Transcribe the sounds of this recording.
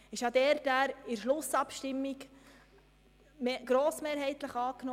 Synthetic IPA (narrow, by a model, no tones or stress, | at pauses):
ɪʃɑd̪ɛːɾtæːɾɪɾʃlʊsɑpʃtɪmːik | ɡ̥ɾoːsmeːɾɦɛɪt̪ləχɑːkno